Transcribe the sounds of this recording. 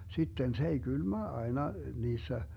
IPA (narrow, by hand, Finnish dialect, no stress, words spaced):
sitːen se ei ɡ̊ylmæ ɑenɑ niːsːæ